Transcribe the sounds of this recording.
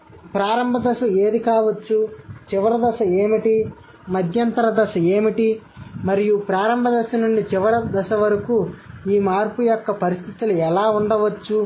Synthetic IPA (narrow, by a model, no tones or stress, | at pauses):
pɾaːɾɐmbʱɐd̪ɐʃɐeːd̪ikaːʋɐt͡ʃːut͡ʃiʋɐɾɐd̪ɐʃɐeːmiʈi | mɐd̪ʱjɐnt̪ɐɾɐd̪ɐʃɐe̞ːmiʈimɐɾijupɾaːɾɐmbʱɐd̪ɐʃɐnuɳɖit͡ʃiʋɐɾɐd̪ɐʃɐʋɐɾɐkuiːmaːɾpujɔkːɐpɐɾist̪ʰit̪iluɛlaːuɳɖɐʋɐt͡ʃːu